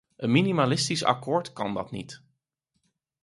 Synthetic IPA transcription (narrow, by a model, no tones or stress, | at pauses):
ʔənminimalɪstisɑ̰kʊːɹtkɑndɑ̰tnḭt